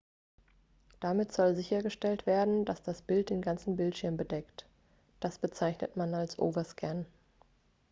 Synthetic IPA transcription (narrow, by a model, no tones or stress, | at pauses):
d̥amɪtz̥ɔlzɪçɐɡəʃtɛltv̥eːɐdn̩d̥asd̥asb̥ɪlt̚d̥eːnɡant͡sn̩bɪltʃɪɐmbədɛkt | d̥asb̥ət͡saɪçnə̰tmanalsʔo̰ːvɐskʰɛn